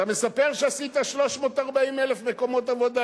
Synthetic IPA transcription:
tame̞sape̞ʁʃeasit̪aʃlo̞ʃmo̞ːtaʁbaimelefme̞ko̞mo̞tavo̞d̪a

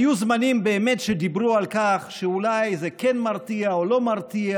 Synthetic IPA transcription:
juzmanimbeːmetʃed̪ibʁualkaχʃeulajzekenmaʁt̪iaolo̞maʁt̪ia

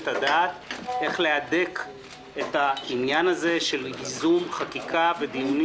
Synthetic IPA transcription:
t̪ad̪aːt̪e̞χle̞adek | et̪ainjanaze̞ʃe̞lizumχakikʰave̞d̪ijuni

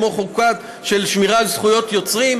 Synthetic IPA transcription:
moχukat | ʃe̞lʃmiʁalzχujo̞t̪jo̞t͡sʁim

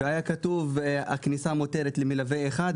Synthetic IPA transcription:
eajakat̪uva̰knisamo̞t̪eɾet̪lemilavejeχad̪

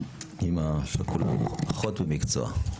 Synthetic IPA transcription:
imaʃekula̰mpaχot̪bemikt͡so̰a̰

